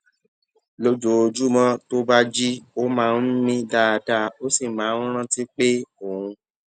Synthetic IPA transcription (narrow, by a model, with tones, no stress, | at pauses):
lo˧d͡ʒo˨˧d͡ʒu˦mɔ̃˦to˦ba˦d͡ʒi˦o˦mãː˦˧˦n̩˦mĩ˦da˧da˧o˦si˦˨mãː˨˦n̩˦ɾ̃ã˦ti˦k͡pe˦o˦˨hũ˧